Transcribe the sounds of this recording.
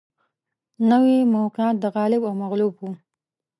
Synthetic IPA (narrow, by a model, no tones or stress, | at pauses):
nəwemoqɪɑt̪̚d̪əɣɑlɪbawmaɣlubwu